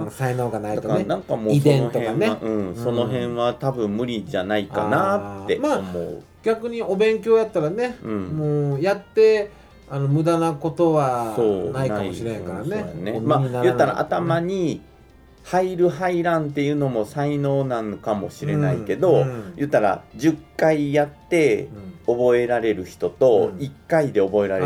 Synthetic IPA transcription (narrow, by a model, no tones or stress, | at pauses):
saino̞ːɡanaid̪at̪okaanãŋkamo̞ːisd̪ẽnoh̪oeãneaʔɯ̟̃ːɴso̞no̞ɦẽ̞ɰ̃βat̪abɯ̟̃mmɯ̟ɾʲid͡ʑanaika̰nat̪ːe̞maːomo̞̰ɯ̟̰ | ɡ̥ʲakɯ̟ɲ̟io̞bẽ̞ŋk̬ʲo̞ːjat̪ːaɾaneɯ̟̃ɴmoːjat̪ːe̞ | ano̞mɯ̟d̪anako̞t̪o̞βaso̞ːnainakaiɕiɾekaɾanenemaːjɯ̟t̪ːaɾa̰ʔa̰t̪amaɲ̟i | haiɾɯ̟ɦaiɾãnt̪e̞jɯ̟ːno̞mo̞saino̞ːnãnokamo̞ɕiɾe̞na̰ike̞d̪o̞jɯ̟ːt̪ːaɾa̰d͡ʑɨkːaijat̪ːe̞o̞bo̞e̞ɾaɾe̞ɾɯ̟çi̥t̪o̞t̪o̞ikːaid̪e̞o̞bo̞e̞ɾaɾe